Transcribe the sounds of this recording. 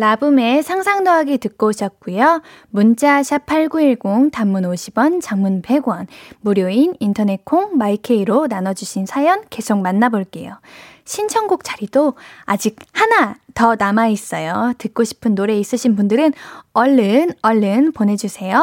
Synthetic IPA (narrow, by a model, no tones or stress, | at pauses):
labɯme̞sʰaŋsʰaŋdoɦaɡitɯk͈oɕʰʌt̚k͈ujo | munt͡ɕ͈aɕʰapʰaɭɡuiɭɡoŋtamːunoɕʰibwʌnt͡ɕaŋmunpe̞ɡwʌnmuɾjoinintʰʌne̞kʰoŋmaikʰe̞iɾonanʌd͡ʑuɕʰinsʰajʌnke̞sʰok̚manːaboɭk͈e̞̰jo̰ | ɕʰint͡ɕʰʌŋɡuk̚t͡ɕ͈aɾidoad͡ʑik̚hanatʌnamais͈ʌjotɯk̚k͈oɕʰi̥pʰɯnːoɾe̞is͈ɯɕʰinbundɯɾɯnʌɭːɯnʌɭːɯnpone̞d͡ʑusʰe̞jo